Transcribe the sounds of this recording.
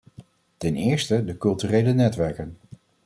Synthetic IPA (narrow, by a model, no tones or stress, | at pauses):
tɛnɪːɹstədəkɵlˠtyːrejlənɛtʋɛɹkən